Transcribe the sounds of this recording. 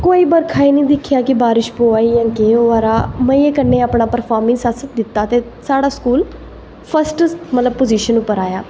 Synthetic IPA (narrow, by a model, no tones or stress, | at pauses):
koːiːbəɾkʰaːiːnĩːd̪ɪkʰːjaːkɪbaːɾɪʃpoːaːijãːkeoːaːɾaːmə̃eːkəneːaːpɳaːpəɾpʰaːɾmɪ̃ŋsasət̪̚d̪ɪt̪ːaːt̪eː | saːɽaːskuːl | pʰəsʈmət̪ləb̚poziːʃənʊpːəɾaːjaː